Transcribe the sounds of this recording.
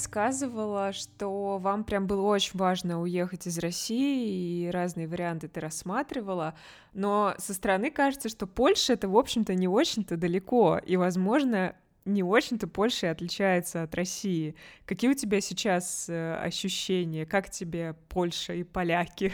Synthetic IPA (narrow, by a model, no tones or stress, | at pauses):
skazɨvəlˠəʂt̪ovampɾʲambɨlˠəo̞t͡ɕɪnʲvaʐnəʊje̞xətʲɪzrɐsʲiɪːɾaznɨjəvəɾʲɪant̪ɨt̪ɨɾɐsːmat̪ɾʲɪvəlˠə | no̞səst̪əɾɐnɨkaʐɨt̪səʂt̪o̞po̞lʲʂɨɛt̪əvo̞pɕːɪmt̪ənʲɪot͡ɕɪnʲt̪əd̪əlʲɪko̞ivɐzmo̞ʐnə | nʲɪo̞t͡ɕɪmt̪əpo̞lʲʂɨɪɐt̪lʲɪt͡ɕæjɪt̪səɐt̪rʔɐsʲiɪkɐkʲijəʊtʲɪbʲasʲɪt͡ɕasəɐ̰ɕːʉɕːenʲɪjəkaktʲɪbʲepʰo̞lʲʂəipɐlʲakʲɪ